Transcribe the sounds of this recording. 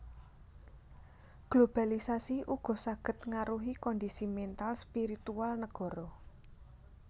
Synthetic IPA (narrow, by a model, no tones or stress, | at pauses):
ɡ̥lob̥a̤lisasiʔuɡ̥ɔ̤saɡ̥ə̤t̪̚ŋaɾuɦikɔnd̪isimɛnt̪alspiɾit̪ualnəɡ̥ɔ̤ɾɔ